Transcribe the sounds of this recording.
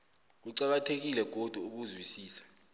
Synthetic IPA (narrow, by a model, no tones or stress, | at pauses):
k̬uǀak̬atʰek̬ilɛɡ̥ʱod̥ʱuuk̬uzwisiːsḁ